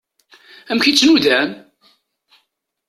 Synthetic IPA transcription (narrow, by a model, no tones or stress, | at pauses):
æmçit͡sːnuðæn